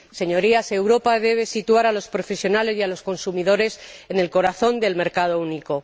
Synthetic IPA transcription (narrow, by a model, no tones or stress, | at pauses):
se̞ɲo̞ɾiase̞wɾo̞paðe̞βe̞sit̪uaɾalo̞spɾo̞fe̞sjo̞nale̞zjalo̞sko̞nsumiðo̞ɾe̞sene̞lko̞ɾaθo̞nd̪e̞lme̞ɾkaðo̞uniko̞